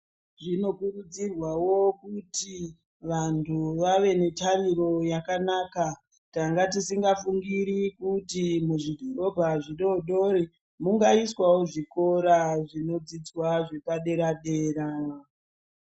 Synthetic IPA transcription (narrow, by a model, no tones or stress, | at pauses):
ʐino̞kurud͡zirwawo̞kuti | ʋantʰuʋaʋe̞ne̞tariro̞jakanaka | taŋɡat̬isiŋɡafuŋɡiɾikutimuʐidʱoro̞bʱaʐiɗo̞ɗo̞ɾi | muŋɡaiswawoʐiko̞ɾaʐino̞d͡zid͡zwaʐe̞kaɗe̞ɾaɗeːɾa